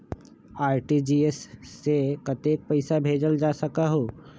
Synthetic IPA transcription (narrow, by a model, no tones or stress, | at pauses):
aːɾʈid͡ʒiːesːekɐt̪eːk̚pɐɪsabʱeːd͡ʒəld͡ʒaːsɐkaɦoː